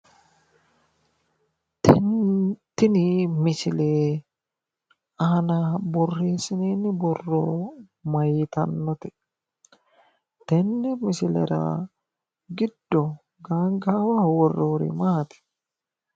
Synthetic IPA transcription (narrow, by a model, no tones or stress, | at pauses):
t̪ɪnɪmɪsɪleː | ɐnabɔrːeːsɪneːnːɪbɔrːoː | mɐjɪt̪ɐnːɔt̪ɛ | t̪ɛnːɛmɪsɪlɛ̰ɾa̰ | ɡɪd̪ːɔ | ɡaːŋɡaːwɐwɔrːoːɾɛ̰maːt̪ɪ̥